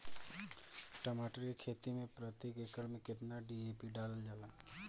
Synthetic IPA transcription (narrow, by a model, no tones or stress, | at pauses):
ʈəmaʈəɾkekʰet̪imẽpɾət̪jekekəɾmẽkɪt̪naɖiepiɖald͡ʒala